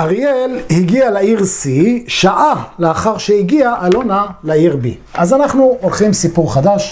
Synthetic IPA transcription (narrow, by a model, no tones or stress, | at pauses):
ʔaʁjelhiɡialaiʁsiʃaʔaleaχaʁʃehiɡiaʔːlonalaiʁbḭ | azanaχnuʔolχimsipuʁχad̪aʃ